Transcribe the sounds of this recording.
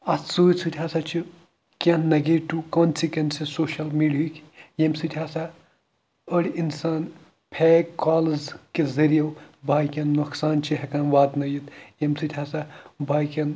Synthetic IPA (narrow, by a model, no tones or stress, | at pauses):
ɐssuːjt͡sʰut̪ʲʰɦasat͡ʃʰi | kʲɐnnɐɡeʈːukonsikensisoːʃɐlmiɖijikʲjemsɨt̪ʲʰaːsa | əɽʲinsaːn | pʰɛːkkːaːlɐzkezɐɾijɐwbʱaːjkʲɐnːuksaːnt͡ʃʰiɦɐkɐnʋaːd̪nɐjit̪jemsʰɨt̪ʲʰaːsabʱaːjkʲɐn